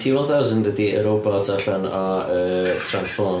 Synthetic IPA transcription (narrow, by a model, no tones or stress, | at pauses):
tʰiwɔlθawzəndədiə̰ɾɔbɔtʰaɬɔnɔəːtʰransfɔ